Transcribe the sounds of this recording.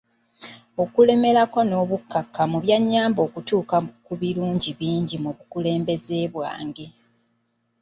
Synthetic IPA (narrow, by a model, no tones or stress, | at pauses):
o̞kule̞me̞ɾako̞no̞ːβukːakːamuβjaɲːaːmbo̞ːkutuːkakuβiɾuːɲɟiβiːɲɟimuβukule̞ːmbe̞zeːβwa̰ːŋɡe̞